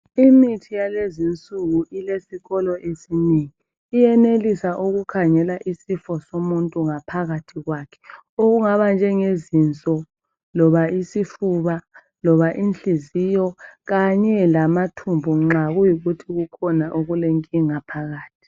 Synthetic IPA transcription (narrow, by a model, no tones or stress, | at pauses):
imitʰijalezint͡sʼuɣuʔilesiɣɔlɔʔesineŋiː | jɛnelisaʔuɣukʰaŋɛlaʔisifɔsomuntʼuŋapʰaɣatʰiɣwaːkʰɛ̥ | oɣuŋaβand͡ʒʱɛŋezint͡sʼɔ | lɔβaʔisifuβa | lɔβaʔinɬizijɔɣaɲɛlamatʰumbʱuŋ͡ǁaɣujiɣutʰiɣukʰɔnaʔoɣuleŋkʼiŋapʰaɣaːtʰi̥